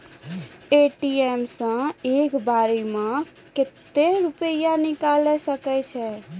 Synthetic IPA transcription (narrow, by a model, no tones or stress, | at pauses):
eʈiemsə̃ekbaɾimẽ | ket̪ːeɾupəjanikalɛsəkɛt͡ʃʰɛ